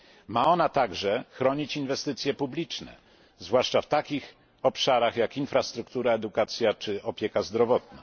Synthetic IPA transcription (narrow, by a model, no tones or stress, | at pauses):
maɔnat̪aɡʐɛxɾɔɲit͡ɕinvɛst̪ɘt̪sʲjɛpublʲit͡ʂnɛ̰ | zvwaʂt͡ʂaft̪akʲix | ɔpʂaɾaxjakinfɾast̪ɾukt̪uɾaɛd̪ukat̪sʲjat͡ʂɘɔpʲjɛkazd̪ɾɔvɔt̪na̰